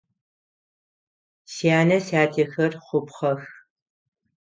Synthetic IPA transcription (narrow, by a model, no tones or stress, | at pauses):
sijaːnɐsaːtʰexɐrχʷʊpχɐx